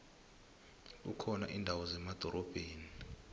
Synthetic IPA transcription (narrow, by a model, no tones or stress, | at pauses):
ukʰɔna̰ʔiːndʱawɔzɛmad̥ʱɔɾʔɔb̥ʱeːni